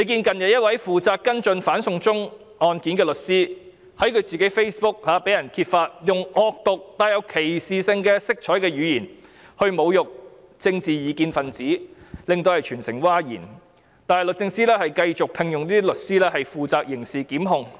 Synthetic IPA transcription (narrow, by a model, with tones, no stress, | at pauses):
le˨˧kiː˧nkɐ˨njɐ˨t̚jɐ˥t̚wɐ˨˥jfuː˨t͡saː˨˧kːɐ˥nt͡ʃɵ˧nfaː˨˥nsʊ˨˧ŋt͡sʊ˥ŋ | ɔː˨nkiː˨˥nkɛː˧lɵ˨t̚siː˥ | hɐ˨˥jkʰɵ˨˧ɥt͡siː˨ke˨˥jfe˥jspʊ˥k̚haː˨˥pe˨˥jɐ˨˩nkʰiː˧t̚faː˧t̚jʊ˨ŋɔː˨˧k̚t̪ʊ˨k̚t̪aː˨˧jɐ˨˧wkʰe˨˩jsiː˨sɪ˧ŋkɛː˧sɪ˥k̚t͡ʃʰɔː˨˥jkɛː˧ɥyː˨˧jiː˨˩n | hɵ˧ɥmo˨˧wjʊ˨k̚ | t͡sɪ˧ŋt͡siː˨jiː˨˧kiː˧nfɐ˨nt͡siː˨˥lɪ˨ŋt̪o˧whɐ˨jt͡ʃʰyː˨˩nsɪ̰˨˩ŋwaː˥jḭː˨˩n | t̪aː˨nɛ˨jlɵ˨t̚t͡sɪ˧ŋsiː˥lɛː˥hɐ˨jkɐ˧jt͡sʊ˨k̚pʰɪ˨˧ŋjʊ˨ŋliː˥t̪i˥lɵ˨t̚siː˥lɛː˥ɦɐ˨jfuː˨t͡saː˨˧k̚jɪ˨˩ŋsiː˨kiː˨˥mɦʊ˨˧ŋ